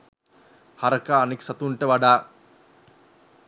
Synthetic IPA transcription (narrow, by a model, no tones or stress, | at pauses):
haɾəkaːniksat̪uɳʈəʋaɖaː